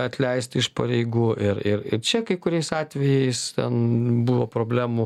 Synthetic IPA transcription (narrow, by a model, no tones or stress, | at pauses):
ɐt̪ʲlʲɛɪst̪ʲɪʃpɐɾʲɛɪɡuːʔɪɾɪɾɪ̰ɾt͡ʃʲɛkɐɪkʊɾʲɛɪsɑːt̪ʲʋʲɛjɛɪst̪ʲɛ̰nbʊʋoːpɾoːbʲlʲæːmu